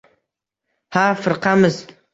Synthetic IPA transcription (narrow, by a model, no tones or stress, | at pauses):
hafɨɾqɑmɨz